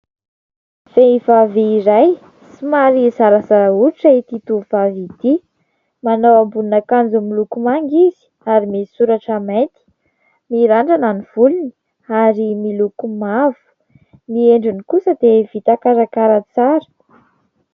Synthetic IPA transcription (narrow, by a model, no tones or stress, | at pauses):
v̥eivaveiɾaj | simaɾizaɾəzaɾauɾiʈ͡ʂait̪it̪uvavit̪i | manowambunakand͡zumilukumaŋɡizi̥ | aɾimisuɾaʈ͡ʂamej̪t̪i̥ | miɾaɳɖ͡ʐananiv̥ulini | aɾimilukumavu̥ | mieɳɖ͡ʐunikusəd̪evit̪akaɾakaɾət͡saɾə̥